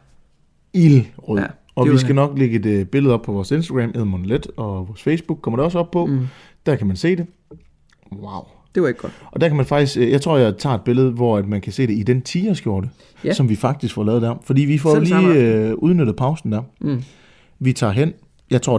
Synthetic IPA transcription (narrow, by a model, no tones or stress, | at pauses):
ilʁøð̰ˠ | ɒ̽ʋisɡ̥ænɒ̽ɡ̥leɡ̥əd̥b̥e̝ləð̩ˠɒ̽b̥̚pʰɒ̽ʋɒːse̝nsd̥ɐɡ̥ʁæmʔeð̰ˠnmonled̥ɒ̽ʋɒːsfeɪsb̥uɡ̥̚kɒ̽mɐdɾe̝ɒ̽səɒ̽b̥̚pʰɒ̽ | d̥æɐkʰæmænse̝̰ːde̝ | wɑ̈ʊ | d̥e̥ʔɒ̽d̥æɐkʰæmænfɑ̈ɡ̥d̥isɡ̥jɑ̈t͡sʰʁo̝̰jɑɪt͡sʰɑ̰̈ːe̝d̥be̝ləð̞̩ˠʋɒæd̥mænkʰæse̝̰ːɾ̥e̝id̥ent͡sʰiːɐsɡ̥jo̝ɐɾ̥ə | sɒ̽mʋifɑ̈ɡ̥̚d̥isɡ̥fɒlɛːð̞̩ˠd̥æɐfɒ̽d̥ḭːʋifɒliːuð̞ˠnøɾ̥ð̩ˠpʰɑ̈ʊsn̩d̥æɐ | ʋit͡sʰɑ̰̈ːɦen̰ | jɑ̈ɪt͡sʰʁo̝̰